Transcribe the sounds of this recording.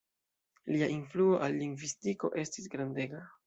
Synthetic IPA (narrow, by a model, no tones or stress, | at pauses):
liaʔinfluoʔalːiŋɡvistiko̞̰ʔe̞stisɡɾande̞ɡa